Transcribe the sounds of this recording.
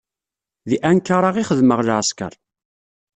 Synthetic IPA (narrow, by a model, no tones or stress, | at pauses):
ðiʔænkaɾˤaʁiχəðməʁlʕskə̰ɾˤ